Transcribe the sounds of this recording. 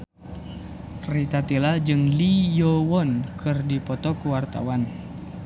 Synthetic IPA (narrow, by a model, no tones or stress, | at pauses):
rit̪at̪ilad͡ʒɨŋlijɔwɔnkʰɨrdipɔt̪ɔkuwart̪a̰wan